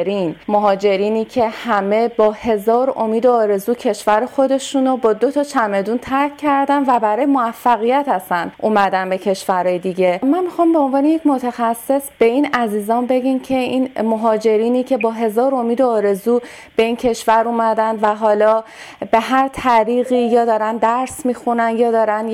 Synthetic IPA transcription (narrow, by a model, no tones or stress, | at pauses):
ɾiːnmoɦɒːd͡ʒe̞ɾiːniːcʰe̞hæme̞bɒːhe̞zɒːɾomiːd̪eɒːɾe̞zuːcʰe̞ʃvæɾexo̞d̪e̞ʃuːnobɒːd̪o̞t̪ʰɒːt͡ʃʰæme̞d̪uːnt̪ʰæɾcʰːæɾd̪ænvæbæɾɒːjemoæfːæɣijæt̪æsænʔuːmæd̪ænbe̞cʰe̞ʃvæɾɒːjed̪iɟe̞mænmixɒːmbe̞onvɒːnejecmo̞t̪ʰæxæsːe̞sb̥e̞iːnæziːzɒːnbe̞ɟimcʰe̞iːnmoɦɒːd͡ʒe̞ɾiːniːcʰe̞bɒːɦe̞zɒːɾo̞miːd̪eɒːɾe̞zuː | b̥e̞iːncʰe̞ʃvæɾuːmæd̪ænd̪væɦɒːlɒː | be̞ɦæɾt̪ʰæɾiːɣiːjɒːd̪ɒːɾænd̪æɾsmiːxunænjɒːd̪ɒːɾæn